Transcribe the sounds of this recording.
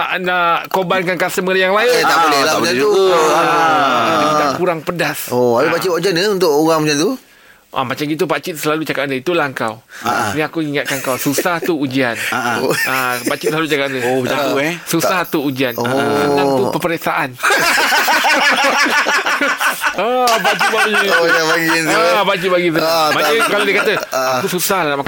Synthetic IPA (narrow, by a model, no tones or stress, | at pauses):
aʔnaʔkobankankasəməəɾəjaŋlajajat̪aʔbolɛhlaauaaaat̪akuɾaŋpədasoapipat͡ʃitaud͡ʒianəunt̪ʊʔoɣaŋmat͡ʃant̪u | ʔa̰mat͡ʃamɡit̪̬upat͡ʃɪt̪̚səlalut͡ʃakatndəit̪ulahŋkawanĩakuiŋat̪̚kankawsusaht̪uud͡ʒianaapat͡ʃɪt̪səlalut͡ʃakandəobat͡ʃauɛsusaht̪uud͡ʒianosənaŋupəpəɾesaʔan | abat͡ʃit̪̚baɡidabaɡinabat͡ʃit̪̚baɡis̬əmaəkaladekat̪əakususahlanamak